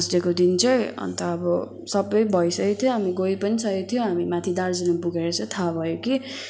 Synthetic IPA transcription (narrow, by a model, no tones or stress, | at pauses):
sdekod̪int͡sʰʌjʌ̰nt̪ʌːbʌ | sʌbʌjbʱʌjsʌket̪ʰjõɦamiɡojpʌnisʌket̪ʰijoɦamimat̪ʰid̪ard͡zinabuɡeɾʌt͡sʌ̃t̪ʰabʱʌjoki